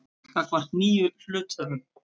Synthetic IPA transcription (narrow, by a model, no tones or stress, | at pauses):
kakvar̥t̪niːʏflʏːt̪œɾʏm